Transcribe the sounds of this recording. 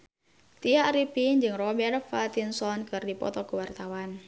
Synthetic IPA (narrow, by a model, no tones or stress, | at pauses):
t̪iaɾipiɲd͡ʒɨŋrɔbɛrfat̪insɔnkɨrdipɔ̰t̪ɔkəwart̪awan